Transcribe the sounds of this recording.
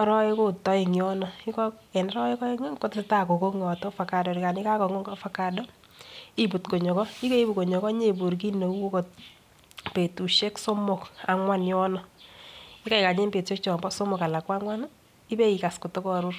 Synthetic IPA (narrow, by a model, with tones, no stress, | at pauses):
ɔ˦ɾɔ˦e˦ko˦tɔ˦i˨ŋjɔ˦nɔ˨i˦kɔ˦ | ɛ˨nɔ˦ɾɔ˦e˦kɔ˦e˦ŋo˦ŋko˦tɪsɪ˦ta˦ko˨ko˦ŋɔ˨to˦fa˨ka˨dɔ˨ɾi˨ka˨ni˦ka˦kɔ˨ŋo˦ŋɡfa˦ka˨dɔ˦ | i˦bu˨tko˨ɲɔ˨kɔ˦i˦ke˦i˦bu˨ko˨ɲɔ˨kɔ˦ɲe˦˨bu˨ɾk̬i˦ne˨u˦ko˦ko˨t̚ | pe˨tu˨ʃe˦kso˦mo˨ka˨ŋwa˦njɔ˦nɔ˨ | ɪ˦ka˦ɪ˨ka˨ɲe˦mpe˨tʃe˦kt͡ʃɔ˨mbɔ˦so˦mɔ˨ka˨la˨kwa˦ŋwa˦na | i˦be˦i˨ka˨sko˨to˦kɔ˦˨ɾu˦r